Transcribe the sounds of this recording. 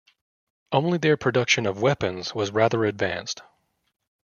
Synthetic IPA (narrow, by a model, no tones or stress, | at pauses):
õʊ̃nliðə˞pʰɹ̥ɨdʌkʃɨ̃nʌvwɛpɨ̃nz̥wʌzɹæðə˞ɨdvæ̰̃nst